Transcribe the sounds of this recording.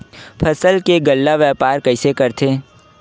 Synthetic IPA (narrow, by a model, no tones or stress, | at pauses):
pʰəsəlkeɡəlːaʋjɛːpaːɾkɐɪsekɐɾt̪ʰeː